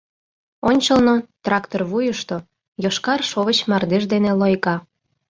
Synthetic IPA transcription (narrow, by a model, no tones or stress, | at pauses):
onʲt͡ɕəlnot̪rɑkt̪orβujəʃt̪o | joʃkɑrʃoβət͡ɕmɑrd̪eʒd̪enelojkɑ